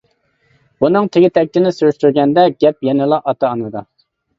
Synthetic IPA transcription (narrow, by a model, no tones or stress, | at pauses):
b̥unɨŋt̪ʰeɡʲɪt̪ʰɛk̚ʲt̪ɪnɪsyɾyʃt̪yɾɡʲɛnd̪ɛɡʲɛp̚jɛnɪlˠɑʔɑt̪ʰɑːnɨd̪ɑ